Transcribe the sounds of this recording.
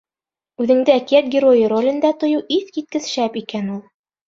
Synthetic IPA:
ʉðɘ̆ŋd̪ɘækijæt̪̚ɡʲɪɾojɤɾolʲɘ̆nd̪æt̪ŏjɤwʔiθkit̪̚kɘ̆ðʃæpikænulˠ

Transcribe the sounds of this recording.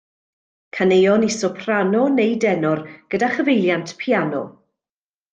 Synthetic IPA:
kʰanejɔnɪsɔpʰr̥anɔnejdɛnɔrɡ̥ədaχəvejlˠjantʰpʰianɔ̰

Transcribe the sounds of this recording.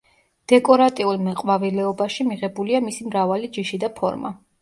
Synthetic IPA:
d̪̥ɛkʼɔɾat̪ʼiulˠmɛqʼwavilɛɔbaʃimiʁɛbuliamisimɾavalid͡ʒiʃid̪apʰɔ̰ɾma̰

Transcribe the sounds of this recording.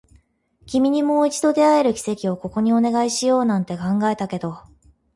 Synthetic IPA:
kʲimʲiɲ̟imo̞ːit͡ɕi̥d̪o̞d̪e̞ae̞ɾɯ̟kʲi̥se̞kʲio̞ko̞ko̞ɲ̟io̞ne̞ɡaiɕijo̞ːnãnt̪e̞kãŋɡae̞t̪ake̞d̪o̞

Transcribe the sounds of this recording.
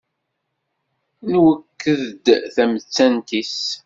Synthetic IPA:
nwəkːəðəd̪θæmət͡sːænt̪is

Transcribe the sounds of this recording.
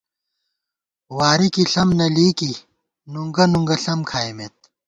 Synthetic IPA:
waːɾikiɬɐmnɐliːki | nuŋɡɐnuŋɡɐɬɐmkʰaːjmet̪̚

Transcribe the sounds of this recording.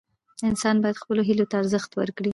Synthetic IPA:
ɪnsɑnbɑjad̪xpəloɦilot̪aːɾzəxt̪wə̰ɾkɽi

